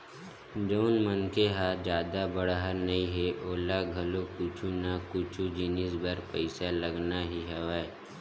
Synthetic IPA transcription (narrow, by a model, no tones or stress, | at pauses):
d͡ʒoːnmənkeɦad͡ʒjaːd̪abɐɽɦəɾnɐĩɦeʔoːlaɡʱɐlokʊt͡ʃʰunakʊt͡ʃʰud͡ʒɪnɪsbɐɾpəɪsaləɡnaɦiɦɛʋaːe